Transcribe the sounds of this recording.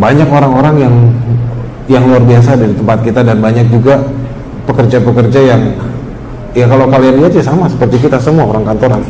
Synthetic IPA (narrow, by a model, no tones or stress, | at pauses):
baɲakoɾaŋoɾaŋjaŋ | jaŋluarbias̬adaɾit̪əmpat̪̚kit̪adanbaɲak̚d͡ʒuɡa | pəkərd͡ʒapəkərd͡ʒajaŋ | jakalokalianliat̪̚ɲasamasə̥pərt̪ik̬it̪asəmuaoɾaŋkant̪oɾan